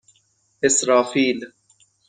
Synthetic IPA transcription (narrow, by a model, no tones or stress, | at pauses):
ɪsɾaːfiːl